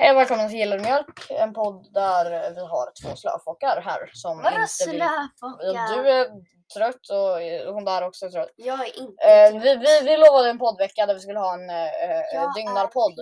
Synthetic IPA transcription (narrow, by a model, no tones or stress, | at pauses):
hɛjɔvɛːlkɔmːəns̬ʰɪjɪlːaɾmjœlkɛ̰npʰɔd̪ːæɾvɪɦa̰ɾt̪ʰvo̰ːslœ̰ːfɔkːaɾɦæ̰ːɾsɔmɪnt̪ə | jɑd̪ʉæ | t̪ʰɾœt̪ːɔʊnd̪æɾɔksɔɛt̪ʰɾœt̪ː | vɪvɪvɪloːvad̪əɛnpʰɔd̪ːvɛkːad̪æɾvɪskɵlːəɦɑːɛn | ʏŋnaɾpʰɔd̪ː